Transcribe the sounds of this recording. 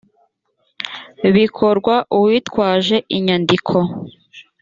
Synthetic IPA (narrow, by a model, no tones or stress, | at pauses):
βikʰoɾɡwaʔuwitwaːʒe̞ʔiɲandikʰo̞